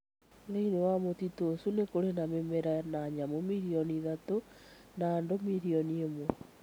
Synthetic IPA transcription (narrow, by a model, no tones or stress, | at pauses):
ðeinewamotitosunekoɾenamemeɾanaɲamomiɾiɔniðato | naːndomiɾiɔniemwɔ